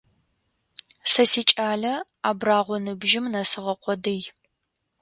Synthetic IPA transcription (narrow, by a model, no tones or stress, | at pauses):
sɐsiːt͡ʃʼaːɮɐ | aːbraːʁʷɔnɨbʒɪmnɐsɨʁɐqʷɔdɨj